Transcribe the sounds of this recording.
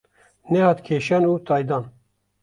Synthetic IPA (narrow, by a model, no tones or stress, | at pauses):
nɛhɑːt̪kʰeːʃanuːt̪ɑːjd̪ɑːn